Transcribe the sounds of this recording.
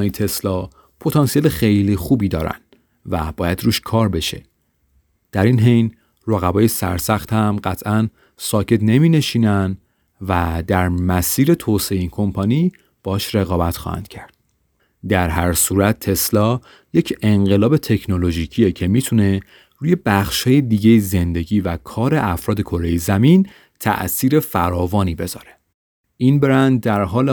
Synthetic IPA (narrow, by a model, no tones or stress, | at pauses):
ɒit̪ʰe̞slɒ | pʰo̞t̪ʰɒːnsijeːlexe̞jlixuːbiːd̪ɒːɾæ̰n | væb̥ɒːjæd̪ruːʃkʰɒːɾbe̞ʃe̞ | d̪̥æɾinɦejn | roɣæbɒːje̞sæ̰ɾsæxt̪hæmɢæt̪ʰæn | sɒːcʰe̞t̪ne̞miːne̞ʃiːnæn | væd̪æɾmæsiːɾe̞t̪ʰoseeiːnkʰo̞mpʰɒniː | b̥ɒʃɾe̞ɣɒːbæt̪xɒ̰ːhæ̰nd̪̥cʰæɾd̪̥̚ | d̪æɾɦæɾsuːɾæt̪̚t̪ʰːe̞slɒː | je̞cʰe̞ŋɢe̞lɒːbe̞t̪ʰe̞cʰno̞lo̞ʒiːcʰiːjecʰemiːt̪ʰune̞ | ruːje̞bæxʃhɒːjed̪iːɟejezend̪e̞ɟiːvækʰɒːɾe̞ʔæfɾɒːd̪e̞kʰo̞ɾejezæmin | t̪ʰæ̰ʔsiːɾe̞fæɾɒːvɒːniːbe̞zɒ̰ːɾe̥ | ʔiːnbe̞ɾænd̪̚d̪æɾɦɒːle